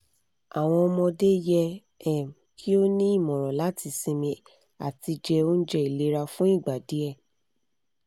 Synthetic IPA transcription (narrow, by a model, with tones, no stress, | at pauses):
a˨w̃ɔ̃˧ɔ˧mɔ̃˧de˦jɛ˧ | ɛ˨m˨kʰi˦o˦nĩ˦i˦˨mɔ̃˨ɾ̃ɔ̃˨la˨˦tʰi˧sĩ˧mĩ˧ | a̰˨ti˧d͡ʒɛ˧o˦n̩˦d͡ʒɛ˦i˨le˨˦ɾa˧fũ˦i˦˨ɡ͡ba˨di˨˦ɛ˦˨